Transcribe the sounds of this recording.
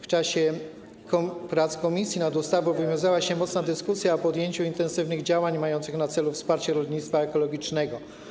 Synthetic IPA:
ft͡ʂaɕɛ | kɔpɾat̪skɔmʲisʲjinad̪ust̪avɔvɨmʲjɔ̃w̃zawaɕɛmɔt̪snad̪ɘskusʲjaɔpɔd̪jeɲt͡ɕuint̪ɛnsɘvnɘɣd͡ʑawaɲmajɔnt̪sɘxnat̪sɛlufspaɾt͡ɕɛɾɔlɲit̪st̪faɛkɔlɔɡʲit͡ʂnɛɡɔ

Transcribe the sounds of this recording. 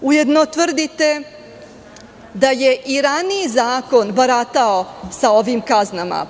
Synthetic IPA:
uje̞d̪not̪ʋr̩d̪it̪e̞ | d̪aje̞ʔiɾaniːzaːko̞nbaɾat̪aosao̞ʋimkaznama̰

